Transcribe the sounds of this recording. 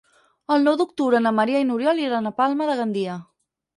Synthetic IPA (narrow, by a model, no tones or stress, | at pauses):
əlˠnɔwd̪uk̚t̪uβɾənəməɾiainuɾjɔliɾanəpalˠməðəɣənd̪iə